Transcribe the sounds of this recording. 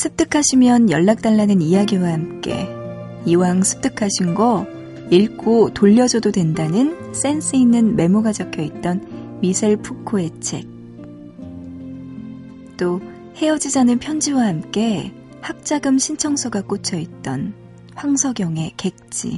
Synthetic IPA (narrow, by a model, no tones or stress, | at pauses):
sʰɯp̚t͈ʰɯkʰaɕʰimjʌnjʌɭːak̚t͈aɭːanɯnijaɡiwahamk͈e̞̰ | iwaŋsʰɯ̥p̚t͈ɯkʰaɕʰinɡʌ | iɭkʰotoʎːʌd͡ʑʌdodwe̞ndanɯn | s͈e̞ns͈ʰɯinːɯnme̞moɡad͡ʑʌkʰjʌit̚t͈ʌnmisʰaɭpʰukʰoe̞t͡ɕʰe̞k̚ | t͈o | he̞ʌd͡ʑid͡ʑanɯnpʰjʌnd͡ʑiwahamk͈e̞ | hak̚t͡ɕ͈aɡɯmɕʰint͡ɕʰʌŋsʰʌɡak͈ut͡ɕʰʌit̚t͈ʌn | ɸwaŋsʰʌɡjʌŋe̞ke̞k̚t͡ɕ͈ḭ